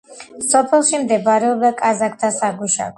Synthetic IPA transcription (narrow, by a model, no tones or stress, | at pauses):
sɔpʰɛlˠʃimd̪ɛbaɾɛɔb̚d̪akʼazak̚ʰt̪ʰasaɡuʃa̰k